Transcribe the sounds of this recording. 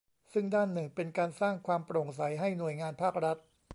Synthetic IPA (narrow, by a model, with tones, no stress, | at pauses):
sɯ˥˩ŋdaː˥˩nːɯ˨˩ŋpe˧nkaː˧nsaː˥˩ŋkʰwaː˧mpɾo˨˩ŋs̬a˩˦jɦa˥˩jnu˨˩əjŋaː˧npʰaː˥˩k̚ɾa˦˥t̪̚